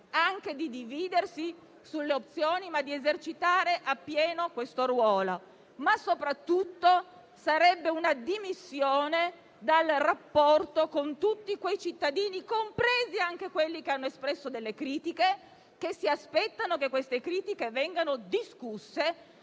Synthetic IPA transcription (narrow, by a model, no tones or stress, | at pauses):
aŋked̪id̪iviːd̪ersi | sulːeop̚t̪sjoːnimad̪ːiezert͡ʃit̪aːɾeʔapːjɛːnokwest̪orwɔːlo | masːopɾat̪ːut̪ːo | saɾɛbːeunad̪imisːjoːne | d̪alrapːɔrt̪okont̪ut̪ːikwejt͡ʃit̪ːad̪iːnikompɾeːziaŋk̟ekwelːikeanːoespɾɛsːod̪elːekɾiːt̪ike | k̟esːiaspɛt̪ːanok̬ekːwest̪ekɾiːt̪ikevɛŋɡanod̪iskusːe